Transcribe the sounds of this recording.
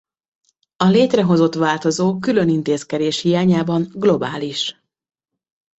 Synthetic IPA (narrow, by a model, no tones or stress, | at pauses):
ɒleːt̪rɛɦo̞zo̞t̪ʋaːlt̪o̞zoːkylø̞nint̪eːskɛd̪eːʃhijaːɲaːbɒŋɡlo̞baːliʃ